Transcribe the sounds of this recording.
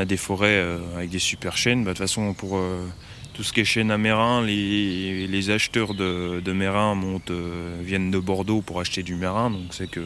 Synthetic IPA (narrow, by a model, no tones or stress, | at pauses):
ad̪efɔʁɛøavɛk̚d̪esypɛʁʃɛnbad̪əfasɔ̃puʁø | t̪usə̥kʲɛʃɛnameʁɛ̃lelezaʃt̪œʁd̪əd̪əmeʁɛ̃mɔ̃t̪øvjɛnd̪əbɔʁd̪opuʁaʃt̪ed̪ymaʁɛ̃d̪ɔ̃ksɛkə